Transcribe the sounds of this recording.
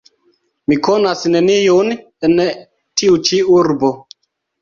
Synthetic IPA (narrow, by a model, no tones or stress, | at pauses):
mikonasne̞nijon | en | tiut͡ʃiuɾbo